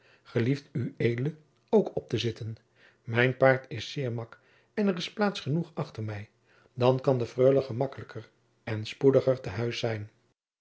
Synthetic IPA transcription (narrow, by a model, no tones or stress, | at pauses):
χəliftyejdələ | owkɔp̚təzɪtən | mɛjnpaːɹtɪsɪːɹmɑk | ɛnərɪsplaːtsχənuχɑχtəɹmɛj | dɑnkɑndəfrøːləχəmɑkələkəɹ | ɛnspudəχəɹtəɦœɥsɛjn